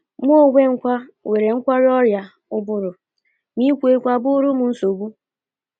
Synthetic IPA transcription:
m˦o˦˨ɡʷe˦ŋ̩˦kʷa˦we˨ɾe˨ŋ̩˦kʷa˦ɾɔ˦ɾja˨ | ʊ˦bʊ˦ɾʊ˨ | mi˦kʷe˨˦kʷa˨bʊ˦ɾu˦mʊ˨n̩˦so˨bu˦

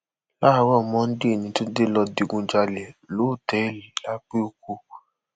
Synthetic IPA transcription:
la˦˧˦wɔ˦˨mɔ̃˦n̩˦de˦˨nĩ˧˦to˦de˦lɔ˧di˧ɡũ˧d͡ʒa˧lɛ˨lo˨˦˨tɛ˨˦˨li˨la˦k͡pe˦o˧ko˧

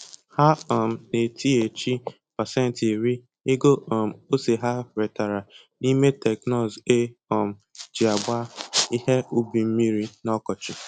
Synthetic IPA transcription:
ha˦ɔ˨m̩˨ne˨tʰi˦e˨t͡ʃi˦ | pa˨sɛ˦˨n̩˨ti˨ɾi˦ | e˦ɡo˦ɔ˨m̩˨o˦se˨ɦa˦ɾe˨ta˨ɾa˨ | ni˦me˦tɛ˨knɔ˦˨ze˦ɔ˨m̩˨d͡ʒi˨a˨ɡ͡ba˦i˦he˦u˦bi˨m̩˦mi˦ɾi˦nɔ˦kɔ˨t͡ʃɪ˨

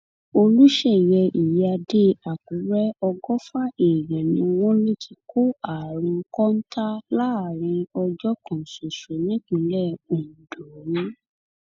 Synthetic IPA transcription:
o˧lu˦ʃɛ˦˨jɛ˧ʔi˨ja˧de˦a˨kũ˨˦ɾɛ˦ɔ˧ɡɔ˦fa˦e˨ɾɛ̃˨nĩ˧w̃ɔ̃˦le˦˨tʰi˧ko˦a˨ɾ̃ũ˧˦kɔ̃˦n̩˦ta˦la˦˨ɾ̃ĩ˧ɔ˧d͡ʒɔ˦kɔ̃˨so˨ʃo˨nĩ˦ɡ͡bĩ˨˦lɛ˦˨o˨n̩˨dɔ˨ɾĩ˦

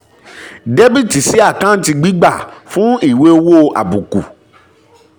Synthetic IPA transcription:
de˦bi˦˨ti˨si˨˦a˦˨kã˦n̩˦ti˧ɡ͡bi˦ɡ͡ba˦˨fũ˦i˦˨we˦wo˦˨ʔa̰˨bu˨ku˨

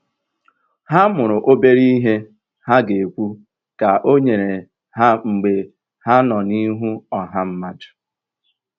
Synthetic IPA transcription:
ha˦mʊ˨ɾʊ˨ʔo˦be˦ɾi˦ɦe˦ | ha˦ɡe˨kʷu˦ | ka˨ʔo˦ɲe˨ɾe˨ | ha˦ŋ͡m̩˨ɡ͡be˨ | ha˦nɔ˨ni˦ɦu˦ɔ˨ɦa˦m̩˦ma˦dʊ̥˨

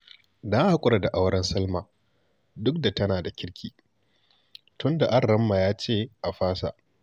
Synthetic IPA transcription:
da˦ha˦kʷʼʊ˦ɽa˨da˨ʔa˦wɽɐ˦nsɐ˦lmaː˨ | dʊ˦k̚da˨tɐ˦naː˨da˨kʲɪ˦ɽkʲʰiː˨ | tʊ˦nda˨ʔa˦˨rːɐ˦mːa˨jaː˦t͡ʃeː˦˨ʔa˨ɸaː˦sa̰˨ʔ

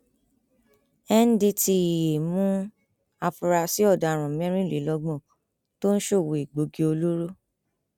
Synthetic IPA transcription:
ɛ˦n̩˦di˧ti˧˨e˨mũ˦ | a˧fu˨˧ɾa˧si˨˦ɔ˦˨da˨ɾ̃ã˨mɛ̃˦ɾ̃ĩ˦˨li˨˦lɔ˧ɡ͡bɔ̃˦˨ | to˦n̩˦ʃo˦˨wo˨i˨ɡ͡bo˨ɡi˧o˧lo˦ɾo˦

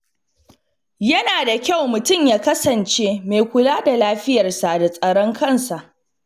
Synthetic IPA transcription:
jɐ˦naː˨da˨kʲa˦˨wmʊ˨tʊ˦˨mjaː˦kɐ˦sɐ˨nt͡ʃeː˦meː˨kʷʊ˨laː˦da˨laː˦ɸɪ˦jɐ˨rsa˨da˨sʼɐ˨ɽɔ˦ŋkʰɐ˦˨nsa˨ʔ

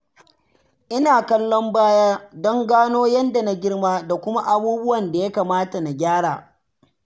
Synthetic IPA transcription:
ʔɪ˦naː˨kɐ˦lːɔ˦mbaː˦jaː˦dɔ˦ŋɡaː˦noː˦jɐ˦nda˨na˦ɡʲɪ˦rmaː˦da˨kʷʊ˦ma˦ʔa˦buː˦bʊ˦wɐ˨nda˨ja˦kaː˨maː˦ta˨na˨ɡʲaː˦ɽaː˨

